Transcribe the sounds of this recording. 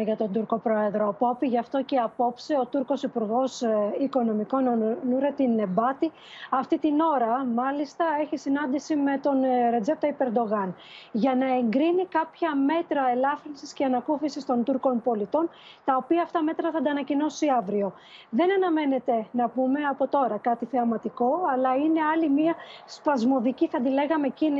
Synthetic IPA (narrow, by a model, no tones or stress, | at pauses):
ʝɐt̪ond̪uɾko̞pɾo̞e̞ðɾoɐpo̞piʝɐft̪oceɐpo̞pseo̞t̪uɾko̞sipuɾɣo̞siko̞no̞miko̞nnuɾet̪ine̞bɐt̪i | ɐft̪it̪ino̞ɾɐmɐlist̪ɐe̞çisinɐnd̪isime̞t̪o̞nɾe̞d͡ze̞p̚t̪ɐipe̞ɾd̪o̞ɣɐn | ʝɐnɐe̞ŋɡɾinikɐpçɐme̞t̪ɾɐe̞lɐfɾinsisce̞ɐnɐkufisist̪o̞nt̪uɾko̞npo̞lit̪o̞n | t̪ɐo̞piɐːft̪ɐme̞t̪ɾɐθɐd̪ɐːnɐcino̞siɐvɾio̞ | ðe̞nɐnɐme̞ne̞t̪e̞nɐpume̞ɐpo̞t̪o̞ɾɐkɐt̪iθeɐmɐt̪iko̞ɐlɐine̞ɐlimiɐspɐzmo̞ðiciθɐd̪ile̞ɣɐmecini